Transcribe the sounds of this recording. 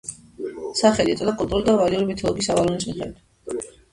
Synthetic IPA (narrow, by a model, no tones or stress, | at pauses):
saχɛlit̪ʼɔd̪akʼult̪ʼuɾulid̪avaliuɾibit̪ʰɔlˠɔɡisavalɔnt̪sʼiχɛ̰d̪